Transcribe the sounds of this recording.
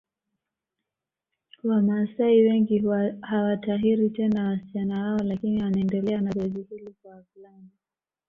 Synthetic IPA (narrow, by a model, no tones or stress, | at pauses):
wamaːsaiwɛŋɡihawataɦiɾitɛnawasi̥t͡ʃanawaɔlakiniwanaɛndɛlɛanaɾɛzihilikwafulani